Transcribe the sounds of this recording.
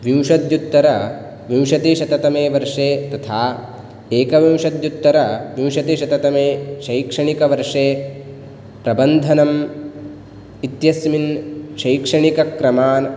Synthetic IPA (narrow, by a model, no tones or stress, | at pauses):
ʋiwʂɐd̪jut̪ːɐɾɐ | ʋiwʃɐt̪iʃɐt̪ɐt̪ɐmeːʋɐɾʂeːt̪ɐt̪ʰaː | eːkɐʋiwʂɐd̪jut̪ːɐɾɐʋiwʂɐt̪iʃɐt̪ɐt̪ɐmeːʃɐjkʂɐɳikɐʋɐɾʂeː | pɾɐbɐnd̪ʱɐnɐm | it̪jɐsminʃɐjkʂɐɳikɐkɾɐmaːn